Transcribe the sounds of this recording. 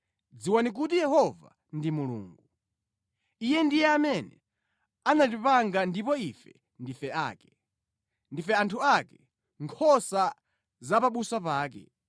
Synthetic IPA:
d͡ziwanik̬utijɛhɔva̰ | ndimulṵːŋɡu | ijɛndijɛamɛnɛ̰ | anatipaŋɡandipɔifɛ | ndifɛaːkɛ | ndifɛantʰuakɛ | ŋkʰɔsa | zapaɓusapaːk̬ɛ̰

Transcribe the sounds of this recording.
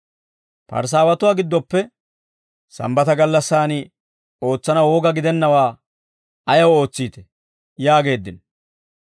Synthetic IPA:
pɐ̰ɾs̬aːwɐt̪ʊwaːɡɪd̪ːɔpːɛ | sɐ̰mbɐt̪ɐɡɐlːɐsːaːnɪ | o̞ːt͡sːɐnɐwoːɡɐɡɪd̪ɛnːɐwaː | ɐjɐwo̞ːt͡sːiːt̪ɛ̥ | jaːɡe̞ːd̪ːɪn

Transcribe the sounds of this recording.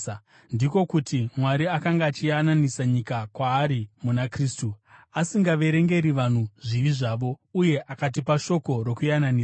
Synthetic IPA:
ndiko̞kutʰimwaɾiakaŋɡaːt͡ʃijananisaɲikakwaːɾimunakriːstuasiŋɡaʋe̞ɾe̞ŋɡe̞ɾiʋan̤uʐiʋiʐaːʋo̞uje̞ʔakat̬ipaʃo̞ko̞ɾokujananiːa

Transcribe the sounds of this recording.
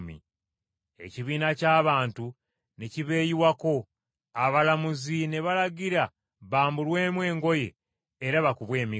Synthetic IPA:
mḭ | e̞̰ciβiːnacaːβaːntu | neciβe̞ːjiwako̞ | aβalamuzine̞βalaɟiɾa | βaːmbulwe̞ːmwe̞ːŋɡo̞je̞̰ː | ɾaβakuβwe̞ːmi

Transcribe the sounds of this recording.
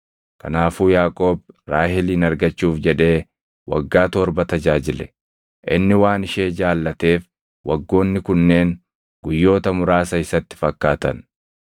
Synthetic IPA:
kɐ̰naːfuːjaːkʼo̞ːbɾaːhɪliːnɐɾɡɐt͡ʃːuːfd͡ʒɛᶑe̞ː | wɐ̰ɡːaːt̪ɔɾbɐt̪ɐd͡ʒaːd͡ʒɪlɛ̥ | ʔɪnːɪwaːnɪʃeːd͡ʒaːlːɐt̪e̞ːf | wɐɡːo̞ːnːɪkʊnːe̞ːŋ | ɡʊjːo̞ːt̪ɐmʊɾaːsɐɪsɐt̪ːɪ̥fɐkːaːt̪ɐ̰n

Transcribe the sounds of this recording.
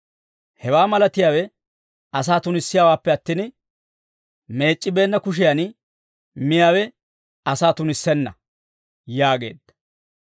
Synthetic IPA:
hɛwaːmɐlɐt̪ɪjaːwɛ | ɐsaːt̪ʊnɪsːɪjaːwaːpːɛɐt̪ːiːn | me̞ːt͡ʃʼːɪbe̞ːnːɐkʊʃ̬ɪjan | mɪjaːwɛ | ɐsaːt̪ʊnɪsːɛnːɐ | jaːɡe̞̰ːd̪ːɐ̥

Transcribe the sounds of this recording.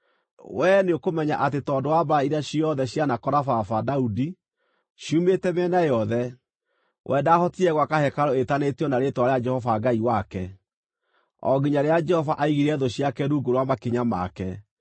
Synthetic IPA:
wɛneokomɛɲaʔatetɔːdowabaiɾaɕiɔðɛɕjanakɔɾafafadaudi | ʃjumetɛmɛnajɔðɛ | wʔɛdahɔtiɛɣwakahɛkaɾɔetanetɔnaɾetwaɾead͡ʒɛhɔvaɡaiwakɛ | ɔ̰ɡiɲaɾead͡ʒɛhɔvaʔaiɣiɾɛðɔɕjakɛɾuɡoɾwamakeɲama̰kɛ

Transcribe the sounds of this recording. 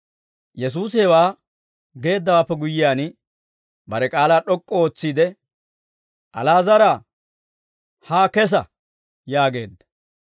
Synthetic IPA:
jɛs̬uːsɛwaː | ɡe̞ːd̪ːɐwaːpːɛɡʊjɪjaːn | bɐɾɛkʼaːlaːɗɔkʼːɔoːt͡sːiːd̪ɛ | ʔɐ̰laːzɐɾa | haːkɛs̬ɐ | jaːɡe̞̰ːd̪ːɐ̥

